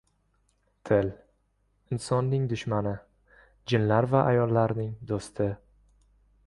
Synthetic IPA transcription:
t̪ʰɪl | ɪnsɒnːɪŋd̪ʊʃmanɪ | d͡ʒɪnlaɾvaʔajɒlˠːaɾnɪŋd̪ost̪ʰɪ

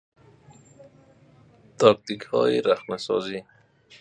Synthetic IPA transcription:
t̪ɔk̚t̪ikhɔ̰jɪɾaxmasɔ̰zi

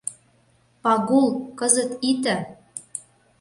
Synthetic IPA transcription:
pɑɣulˠkɤzə̆t̪it̪ə̆

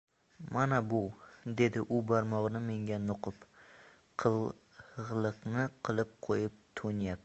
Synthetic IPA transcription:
manabʊd̪e̞d̪ɪʔʊbaɾmɒʁnɪme̞ŋɡʲanʊqʰʊp | qʰɨl | ʁlˠɨqnɪqʰɨlˠɪp̚qʰojɪp̚t̪ʰonjap̪̚

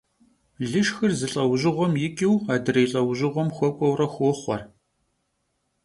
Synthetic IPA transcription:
ɮɨʃxɨrzɨɬʼɐwʑɪʁʷɔmjɪkʼiwaːdɨrɐjɬʼɐwʑɪʁʷɔmxʷɔkʷʼɔwrɐxʷoːχʷɔ̰r

